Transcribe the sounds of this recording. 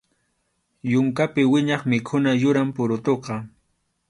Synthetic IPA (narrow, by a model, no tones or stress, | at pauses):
jʊŋkapɪwɪɲɑχmɪkʰʊnajʊɾampʊɾʊt̪oqɑ